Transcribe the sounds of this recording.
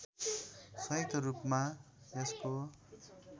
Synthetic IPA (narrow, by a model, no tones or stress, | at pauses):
sʌit̪ʰʌɾupma | jʌsko